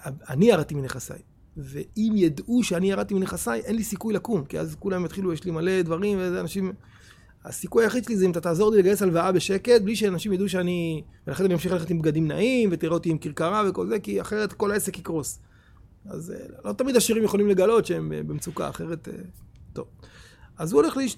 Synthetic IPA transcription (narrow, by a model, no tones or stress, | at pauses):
aaniaʁat̪imineχasa̰j | ve̞imjad̪ʔuʃeaniaʁat̪imineχasajʔe̞nlisikujlakumkia̰zkulammjat̪χilujeʃlimale̞d̪vaʁimvezeanaʃim | a̰sikujajaχid̪ʃelizeimat̪at̪aːzo̞ʁlileɡajesalvaabe̞ʃe̞ke̞t̪̚bliʃeanaʃimjaduʃ̬eanivelaχenanimamʃiχaleχet̪imbɡad̪imna̰ʔimvet̪iʁot̪iimkiʁkaʁave̞ko̞lze̞kia̰χeʁet̪ko̞laese̞kikʁo̞s | a̰zḛlo̞t̪amid̪aʃiʁimjeχo̞limle̞ɡalo̞t̪ʃeembḛbemt͡suka̰a̰χe̞ʁe̞t̪ḛt̪o̞̰v | azuole̞χliʃ